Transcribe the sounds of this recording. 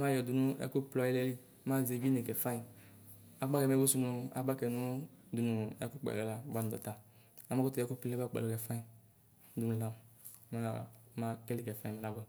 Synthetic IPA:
ma˦jɔ˨du˨nu˦ɛ̰˦ku˦plɔ˨˦i˦lɛ˦li˦ | ma˦ze˨bi˦ne˨ɡɛ˨fa˦i˨ | a˨ɡ͡ba˦kɛ˨mɛ˨˦bo˦su˧nu˧a̰˨ɡ͡ba˦kɛ˨nu˦du˨nu˨ɛ̰˦ku˦k͡pɛ̰˨ɛ˨la˨˦ba˦nu˨dɔ̰˨ta˨a˨˦ma˦ku˦tu˨ɛ˨˦ko˦pɛ˦a˦k͡pɛ̰˨lɔ˦ɡɛ˨fã˦i˨˦ | du˨nũ˨la˦m˨˦ | ma˦a˨˦ma˦kɛ˦li˦˨ɡɛ˨fa˦˨ĩ˨mɛ˨la˦bɔ˦

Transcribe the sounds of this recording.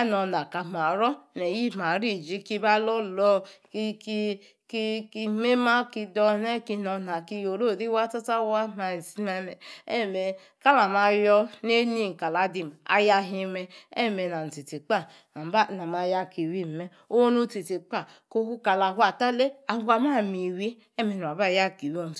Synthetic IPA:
a˦nɔ˨na˨ka˨ma˨ɾɔ˦ne˨ji˦˨ma˨ɾi˦˨d͡ʒi˦ki˦ba˦lo˦lɔ˦kki˦ | ki˦ki˦me˦ma˦ki˧dɔ˧ne˦ki˧nɔ˧na˨ki˦jo˨ɾo˦˨ɾi˦wa˦ta˦ta˦wa˦ma˨i˨si˦me˦mɛ˨e˦˨me˨ | ka˦la˨ma˨jɔ˧n˦e˦ni˦˨ka˨la˨˦di˨ma̰˨ja˧ɦi˧mɛ˨e˦˨me˨na˨n̩˨ti˨ti˨k͡pa˦ | a˨m˨ba˦˨na˨ma˨ja˦ki˨wi˦m˨me˦ | o˦nu˦te˨ti˨k͡pa˦˨ | ko˦hu˦ka˨la˨ɦʷa˨ta˦le˦a˨˦a˦ma˦˨mi˨we˦ | e˦me˨n˨a˨ba˦˨ja˦˨ki˨wi˦o˦˨n˨

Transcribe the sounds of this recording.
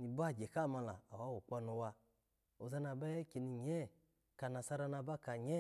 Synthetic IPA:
ni˨ba˦˨d͡ʒe˨ka˦˨ma˧la̰˨a̰˨wa˨˦wu˨k͡pa˧nu˧wa˧ | o˨za˧na˧bɛ˦ke˧ni˧ɲɛ˦˨ | ka˨na˨sa˧ɾa˧na˧ba˦ka˧ɲɛ˦

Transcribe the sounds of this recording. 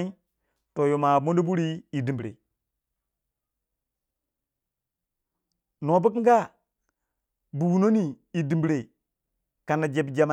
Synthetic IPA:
i˦ | to˨jo˨ma˨mo˦ndo˦bu˦ɾi˦i˨di˨mbɾḛ˨ | no˨bu˦k̬i˦ŋɡa˦ | bu˨wu˨no˦ni˨ | i˨di˨mbi˨ɾe˨ | ka˨nːa˨d͡ʒe˨bd͡ʒa˨ma˨

